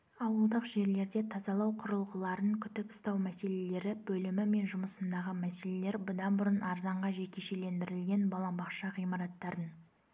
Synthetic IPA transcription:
ɑwəlˠd̪əqʒe̞ɾle̞ɾd̪e̞t̪ʰɑzɑlˠɑwqʰʊɾəlˠʁəlˠɑɾəŋkʲʰʏt̪ɪpʊ̥st̪ɑwmæse̞le̞le̞ɾɪbɵlɪmɪme̞nʒʊməsənd̪ɑʁəmæse̞le̞le̞ɾbʊd̪ɑnbʊɾənʔɑɾzɑɴʁɑʒe̞kʲe̞ʃe̞le̞nd̪ɪɾɪlɡʲe̞nbɑlˠɑmbɑχʃɑʁijmɑɾɑt̪ːɑɾən

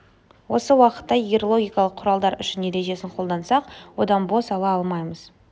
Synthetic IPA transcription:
wo̞səwɑqə̥t̪ːɑiɾolˠo̞ɡʲijkɑlˠəqʰːʊɾɑlˠd̪ɑɾʏ̰ʃɪnːet̪eʒe̞sɪŋqʰo̞lˠd̪ɑnsɑqwo̞d̪ɑnbo̞sɑlˠɑɑlˠmɑjməz̥

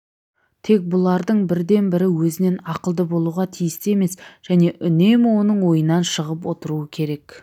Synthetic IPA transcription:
t̪ʰe̞k̚bʊlˠɑɾd̪əɴbɪɾd̪e̞nbɪɾɪwɵzɪne̞nɑqəlˠd̪əbo̞lˠuʁɑt̪ʰijɪst̪ɪe̞me̞sʒ̥æne̞ʔʏne̞mwo̞nəɴwo̞jənːɑnʃəʁəp̬wo̞t̪əɾuəkʲʰe̞ɾe̞k

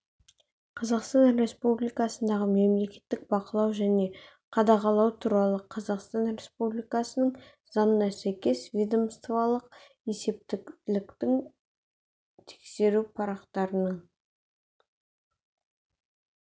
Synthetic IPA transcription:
qʰɑzɑqst̪ɑnɾe̞spublijkɑsənd̪ɑʁəme̞mle̞kʲe̞̥t̪ːɪk̚bɑqəlˠɑwʒæne̞ | qʰɑd̪ɑʁɑlˠɑwt̪ʰuɾɑlˠəqʰɑzɑqst̪ɑnɾe̞spublijkɑsənəɴ | zɑnənɑsæjkʲe̞svʲijd̪omst̪vɑlˠəq | e̞se̞p̚t̪ɪlɪkt̪ɪŋ | t̪ʰe̥kse̞ɾupʰɑɾɑqt̪ɑɾənəɴ

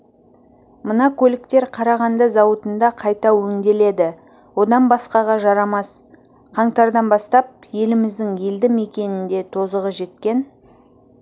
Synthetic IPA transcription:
mənɑkʲʰɵlɪkt̪e̞ɾqʰɑɾɑʁɑnd̪ɑzɑwət̪ənd̪ɑqʰɑjt̪ɑwɵŋd̪e̞le̞d̪ɪ | wo̞d̪ɑnbɑsqɑʁɑʒɑɾɑmɑs | qʰɑɴt̪ɑɾd̪ɑnbɑst̪ɑp̚je̞lɪmɪzd̪ɪŋjeld̪ɪme̞kʲe̞nɪnd̪e̞t̪ʰo̞zəʁəʒe̞t̪̚kʲe̞n

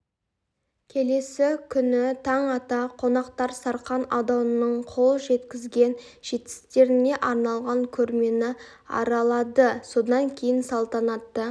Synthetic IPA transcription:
kʲʰe̞le̞sɪkʲʰʏnɪt̪ʰɑɴɑt̪ɑqʰo̞nɑqt̪ɑɾsɑɾqɑnɑd̪ɑnənəɴqʰo̞lˠʒe̞t̪kʲɪzɡʲe̞n | ʒ̥e̞t̪kʲɪ̥st̪e̞ɾɪne̞ʔɑɾnɑlˠʁɑŋkʲʰɵɾme̞nɪ | ɑ̰ɾɑlˠɑd̪əso̞d̪ɑŋkʲʰe̞jɪnsɑlˠt̪ɑnɑt̪ːə

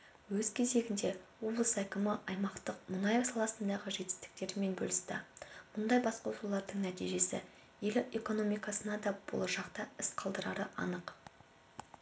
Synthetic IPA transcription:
wɵz̥kʲʰeze̞ɡʲɪnd̪e̞wo̞blˠəsækʲɪmɪʔɑjmɑqt̪əq̚mʊnɑjɑsɑlˠɑsənd̪ɑʁəʒe̞t̪ɪ̥st̪ɪ̥k̚t̪e̞ɾɪme̞nbɵ̰lʲɪst̪ɪ̰mʊnd̪ɑjbɑsqɑwsulˠɑɾd̪əɴnæt̪ijʒe̞sɪ̰ | je̞lɪe̞ko̞no̞mijkɑsənɑd̪ɑb̥o̰lˠəʒɑqt̪ɑɪsqʰɑlˠd̪əɾɑɾəʔɑ̰nəq

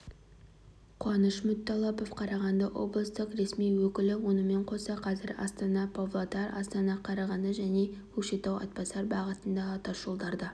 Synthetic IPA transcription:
qʰʊɑnəʃmʊt̪ʰːɑlˠɑpofqʰɑɾɑʁɑnd̪ɑwo̞̰blˠəst̪əqɾe̞smijwɵkʲɪlɪwo̞nəme̞ɴqʰo̞sɑqʰɑzɪɾɑ̰st̪ɑnɑpʰovlˠot̪ɑɾɑ̰st̪ɑnɑqʰɑɾɑʁɑnd̪əʒæne̞kʰɵʃet̪ɑwɑ̰t̪̚pɑsɑɾbɑʁət̪ənd̪ɑːt̪ɑʒ̥olˠd̪ɑɾd̪ə

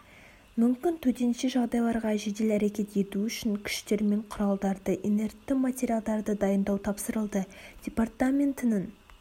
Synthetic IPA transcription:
mʏmkʲɪnt̪ʰɵt̪e̞nʃeʒɑʁd̪ɑjlˠɑɾʁɑʒed̪elæɾe̞kʲe̞t̪je̞t̪uʏʃɪŋkʲʰɪ̥ʃt̪e̞ɾme̞ɴqʰʊɾɑlˠd̪ɑɾd̪əʔene̞rt̪ːɪmat̪ʲe̞ɾijalˠd̪ɑɾd̪əd̪ɑjənd̪ɑwt̪ʰɑpsəɾəlˠd̪əd̥ʲe̞part̪amʲe̞nt̪ɪnəŋ

